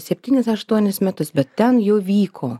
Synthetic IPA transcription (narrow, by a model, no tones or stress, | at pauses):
sʲɛpʲt̪ʲiːnʲɪsɐʃt̪uɔnʲɪsmʲɛt̪ʊsbʲɛt̪tʲɛnjoːʋʲiːkʰoː